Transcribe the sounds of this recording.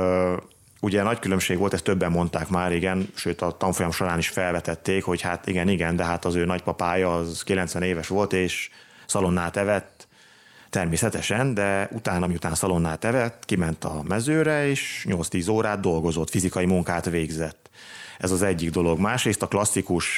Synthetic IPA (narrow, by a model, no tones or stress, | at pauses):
uɟɛnɒckylø̞mʃeːɡʋo̞lt̪ɛst̪øbːɛmːo̞nt̪aːkmaːɾiɡɛnʃøːt̪ɒt̪ɒɱfo̞jɒmʃoɾaːniʃfɛlvɛt̪ɛt̪ːeːkho̞chat̪iɡɛniɡɛnd̪ɛɦat̪ɒzøːnɒcpɒpaːjɒːzkilɛnsʋɛneːvɛʃʋo̞lt̪eːʃ | sɒlo̞nːaːt̪ɛvɛt̪ː | ɛrmeːsɛt̪ɛʃɛnd̪ɛut̪aːnɒmiut̪aːnsɒlo̞nːaːt̪ɛvɛt̪ːkimɛnt̪ɒmɛzøːɾɛeːʃɲo̞lt̪st̪iːzoːɾaːd̪̚d̪o̞lɡo̞zo̞t̪fizikɒjimuŋkaːt̪ʋeːɡzɛt̪ːɛzɒzɛɟːiɡd̪o̞lo̞ɡmaːʃreːst̪ɒklɒsːikuʃ